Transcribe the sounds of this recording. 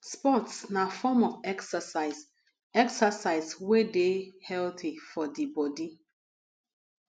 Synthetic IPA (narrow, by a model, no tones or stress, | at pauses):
spɔtsnafɔmɔfɛksəsaɪs | ɛksasaɪswedehɛlθifɔdibɔdi